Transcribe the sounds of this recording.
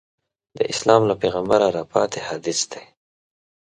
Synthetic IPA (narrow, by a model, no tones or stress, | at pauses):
d̪əʔɪslɑmlapeɣambaɾaɾɑpɑ̰t̪ehad̪ɪsd̪e